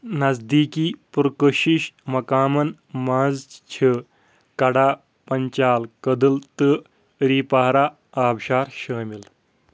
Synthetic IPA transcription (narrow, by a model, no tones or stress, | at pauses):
nɐzd̪iːkiːpuɾkəɕiɕmɐkaːmɐn | mãzt͡ʃʰə | kɐɽaː | pɐɲt͡ɕaːlkəd̪əlt̪ə | ɾiːpaɦɾa | aːbɕaːɾɕəːmil